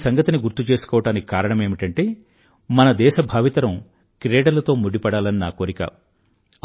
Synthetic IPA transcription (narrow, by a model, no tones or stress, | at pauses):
sɐŋɡɐt̪iniɡuɾt̪ːut͡ʃe̞ːsu̥kɔːʋɐʈaːniki̥kaːɾɐɳɐme̞ːmiʈɐɳʈe̞ː | mɐnɐd̪ɛːʃɐbʱaːʋit̪ɐɾɐm | kɾeːɽɐlɐt̪o̞ːmuɽːipɐɽaːlɐnina̰ːkoːɾikɐ̰ː